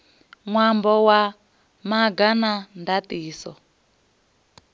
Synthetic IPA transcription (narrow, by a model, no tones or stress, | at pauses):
ŋwambɔwa | maɡanandatiːsɔ